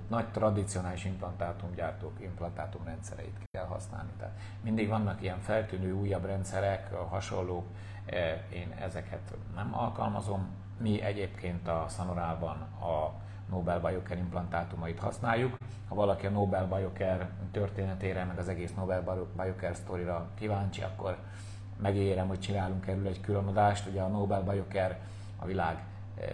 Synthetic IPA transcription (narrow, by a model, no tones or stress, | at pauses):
nɒct̪rɒd̪it̪sijo̞naːliʃimplɒnt̪aːt̪umɟaːrt̪oːkimplɒnt̪aːt̪umrɛnt̪sɛ̰ɾɛ̰ḭt̪kɛlɦɒ̰sna̰ːlnit̪ɛ̰ːt̪ | mind̪iɡʋɒnːɒkijɛɱfɛlt̪yːnøːuːjːɒbrɛnt̪sɛɾɛkɦɒʃo̞̰lːoːk | eːnɛ̰zɛkʰɛt̪ | nɛmɒ̰lkɒ̰lmɒ̰zo̞mː | iʔɛɟeːpkʰeːnt̪ɒsɒnoɾaːlbɒn | ɒ | noːbɛlbɒjokɛɾimplɒnt̪aːt̪umɒit̪hɒ̰snaːjːuk | hɒvɒlɒkiɒnoːbɛlbɒjo̞kɛrt̪ø̞rt̪eːnɛt̪eːɾɛmɛɡɒzɛɡeːsnobɛlbɒjokɛrst̪oɾiɾɒkivaːɲt͡ʃiɒ̰kːo̞r | mɛɡieːɾɛmho̞ct͡ʃinaːluŋkɛɾylɛɟkylønod̪aːʃt̪uɟɛɒnoːbɛlbɒjo̞kɛr | ɒ̰vilaːɡ